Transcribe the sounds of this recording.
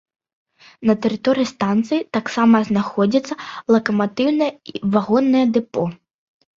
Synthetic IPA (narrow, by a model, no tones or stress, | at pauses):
nɐt̪ɛɾɨt̪ɔɾɨjist̪ant̪sɨjit̪aksamɐznaxɔd͡zʲit̪sːɐlˠɐkɐmat̪ɨwnɐjɐivaɣɔnːɐjɐd̪ɨpɔ